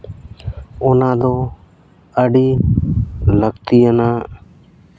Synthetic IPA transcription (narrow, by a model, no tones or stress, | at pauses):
ʊnãːd̪oː | əɖiː | ləɡt̪ijənaː